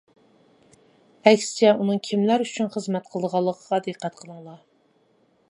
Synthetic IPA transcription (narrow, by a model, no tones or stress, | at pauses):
ɛkʲsɪ̥t͡ʃʰɛunɨŋkʲʰimlæɾyt͡ʃʰynχəzmɛt̪̚qʰəlˠəd̪əʁɑlˠːəqʰəʁɑd̪ɨqːæt̪̚qʰəlˠɨŋlˠɑ